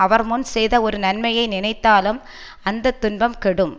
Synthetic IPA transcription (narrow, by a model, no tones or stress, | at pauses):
ɐʋɐɾmʊnsɛjðɐɔɾɯnɐnmɐjɐɪnɪnɐɪt̪ːaːlɯm | ɐnd̪ɐt̪ːʊnbɐmkɛɽɯm